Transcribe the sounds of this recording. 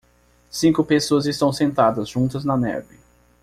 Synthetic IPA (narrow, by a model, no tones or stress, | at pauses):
sĩkʊpesoɐzɪst̪ɐ̃w̃sẽnt̪ad̪ɐzʒũt̪ɐznɐnɛ̰ɾvɪ